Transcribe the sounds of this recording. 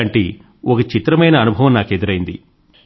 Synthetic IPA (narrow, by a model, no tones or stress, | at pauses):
ɐɳʈḛː | ɔkɐt͡ʃit̪ɾɐmɐjnɐːnubʱɐʋɐmnaːked̪uɾɐjind̪ḭ